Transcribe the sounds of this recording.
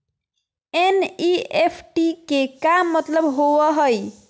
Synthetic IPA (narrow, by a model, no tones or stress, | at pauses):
eniepʰʈikekamːət̪ləbɦowəɦəj